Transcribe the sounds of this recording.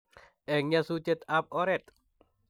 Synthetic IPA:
ʔɛŋɲasut͡ʃət̪ap̚oɾɛt̪̚

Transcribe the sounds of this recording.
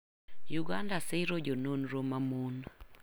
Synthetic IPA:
juɡandasɪɾod͡ʒononɾomamon

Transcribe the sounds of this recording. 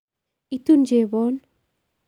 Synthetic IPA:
it̪und͡ʒebɔn

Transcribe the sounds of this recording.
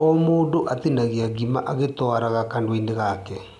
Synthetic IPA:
ɔmoːndoʔat̪inaɣeaɡimaʔaɣetɔaɾaɣakandowendeɣakɛ

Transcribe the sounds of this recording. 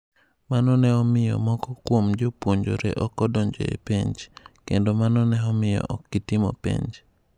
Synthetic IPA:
manɔnɛɔmɪjɔ̰mɔkɔkwomd͡ʒopwoɲd͡ʒo̰ɾḛʔɔkɔdɔɲd͡ʒo̰ḛpiɲd͡ʒkendomanɔnɛɔmɪjɔ̰ʔɔkːitimɔ̰pḛɲd͡ʒ

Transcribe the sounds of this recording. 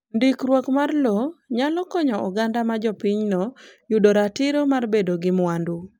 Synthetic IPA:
ndikrwokmarlɔɲalɔkɔɲɔʔɔɡandamad͡ʒɔpiɲnɔjudoɾatɪɾomarbedoɡɪmwandu

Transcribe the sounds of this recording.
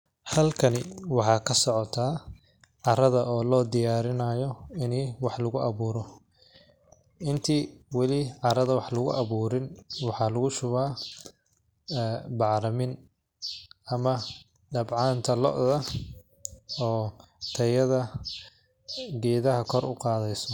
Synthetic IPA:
hɐlkʰɐnɪwɑħɑːkʰɐsɔʕɔt̪ʰaː | ʕɑɾɐðɐʔɔːlɔːd̪ɪjaːɾɪnaːjɔɪniːwɑħlʊɣʊʔɐβuːɾɔ | ʔɪnt̪ʰiːwɑlɪʕɑɾɐðɐwɑħlʊɣʊ̰ʔɐβuːɾɪnwɑħɑːlʊɣʊʃʊβaː | bɑʕɾɐmɪn | ʔɐmɐ | ɖɐbʕɑːnt̪ʰɐlɔ̰ʔðɐ | ɔː | t̪ʰɐjɐðɐ | ɡɛːðɐɦɐkʰɔrʊqɑːðɛjsɔ

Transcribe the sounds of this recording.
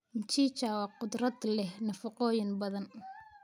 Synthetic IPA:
ɪɲt͡ʃiːt͡ʃaːwɑqʊd̪rɐd̪lɛhnɐfɑqɔːjɪnbɐðɐn

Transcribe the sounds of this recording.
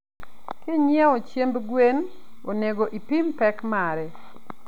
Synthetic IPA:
kɪɲjɛot͡ʃjembɡwen | oneɡoʔipimpɛkmaɾɛ

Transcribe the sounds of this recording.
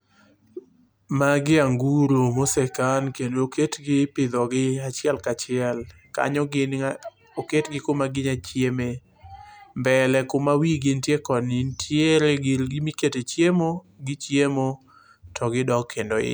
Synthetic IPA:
maɡɪaŋɡuɾomosɛkankendokʰetɡɪpɪd̪ɔɡɪat͡ʃɪɛlkat͡ʃɪɛl | ka̰ɲɔɡɪn | oketɡɪkomaɡɪɲat͡ʃjeme | mbɛlɛkomawiɡɪntjekɔnintʰjeɾeɡɪlɡɪmiketet͡ʃjemo | ɡɪt͡ʃjemo | tʰɔɡɪdɔɡkʰːendoɪ̰

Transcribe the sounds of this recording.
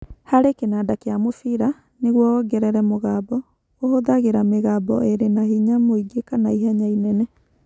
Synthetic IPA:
haɾekenaːdakejamofiɾa | neɣwɔɡɛɾɛɾɛmoɣaːbɔ | ohoðaɣeɾameɣaːbɔ̰eɾenahiɲamoiɡekanaiɦaɲainɛnɛ

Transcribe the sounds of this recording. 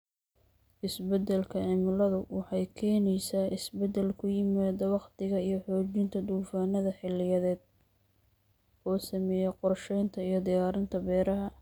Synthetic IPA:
ʔɪsbɛd̪ɛlkʰɐʕɪmɪlɐðʊwɑħɑjkʰɛːnɛjsaːʔɪsbɛd̪ɛlkʰʊjɪmaːd̪ɐwɑqt̪ɪɣɐijɞħɔːt͡ʃɪnt̪ʰɐd̪uːfaːnɐðɐħɪlɪjɐðɛːd̪̥̚ | ɔːsɐmɛːjɛqɔrʃɛjnt̪ʰɐijɞd̪ɪjaːɾɪnt̪ʰɐbɛːɾɐɦɐ

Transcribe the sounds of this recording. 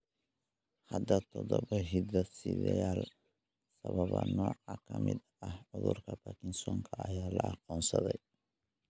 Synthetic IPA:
hɐd̪ɐt̪ʰɔðɔβɐɦid̪ɐsɪðɛjaːl | sɐβɐβɐnɔːʕɑkʰɐmɪd̪ | ɐhʕʊðʊrkʰɐbɐkʰɪnsɔːŋkʰɐɐjaːlɐɑqɔːnsɐðɛj

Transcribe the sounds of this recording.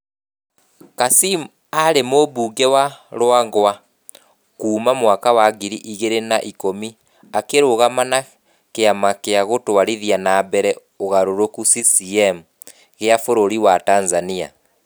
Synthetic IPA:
kasim | aɾemoβuːŋɡɛwaɾwaŋɡoa | kuːmamwakawaɣiɾiʔiɣeɾenaʔikomi | akeɾoɣamana | keamakeaɣotoaɾiðianabɛɾɛ | oɣaɾoɾokusisiɛmu | ɣeafoɾoɾiwatanzania̰

